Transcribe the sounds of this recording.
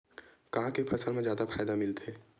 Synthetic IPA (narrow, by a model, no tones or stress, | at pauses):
kɐɦãkepʰɐsəlmẽzjaːd̪afʰaːjd̪amɪlt̪eː